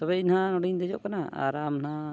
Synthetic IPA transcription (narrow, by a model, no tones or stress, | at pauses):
t̪ɔbɛinɦãnɔɽiɲd̪ɛd͡ʒɔʔkanaa̰ːɾamnã